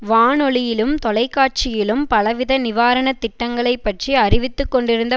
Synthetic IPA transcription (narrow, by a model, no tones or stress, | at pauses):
ʋaːnɔɭɪjɪlɯmt̪ɔlɐɪkːaːʈ̚t͡ʃɪjɪlɯmpɐlɐʋɪðɐnɪʋaːɾɐnɐt̪ːɪʈːɐŋɡɐɭɐɪpːɐʈriɐɾɪʋɪt̪ːɯkːɔɳɖɪɾɯnd̪ɐ